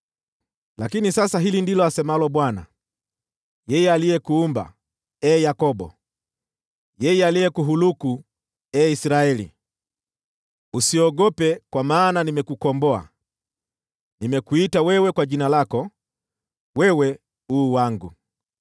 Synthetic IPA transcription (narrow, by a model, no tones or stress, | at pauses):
lakinisasaɦilindilɔasɛmalɔɓwana̰ | jɛjɛalijɛkuːmba̰ | ɛːjakɔɓɔ̰ | jɛjɛalijɛkuɦuluku | ɛisɾaɛlḭ | usiɔɡɔpɛkwamaːnanimɛkukɔmbɔa̰ | nimɛkuitawɛwɛkwaʄinalakɔ | wɛwɛ | uːwaŋɡu